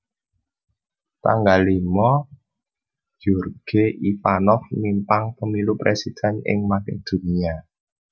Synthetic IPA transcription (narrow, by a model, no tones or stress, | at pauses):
t̪a̰ŋɡalimɔ | d͡ʒ̥urɡ̥eʔifanɔfmimpaŋpəmilupɾesid̪̥ɛ̤nɪ̰ŋmakɪ̰ŋd̪̥ṳnia